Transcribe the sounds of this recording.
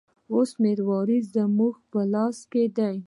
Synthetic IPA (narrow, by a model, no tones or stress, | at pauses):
osmeɾwɑɾizd̪əmuxpəlɑsked̪aj